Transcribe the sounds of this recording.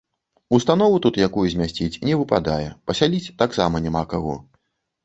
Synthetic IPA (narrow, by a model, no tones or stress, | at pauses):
ust̪an̪ɔvut̪ut̪jakujuzʲmʲasʲt͡sʲit͡sʲnʲɛvɨpad̪ajɛpɐsʲalʲit͡sʲt̪aksamɐnʲamakaɣɔ̰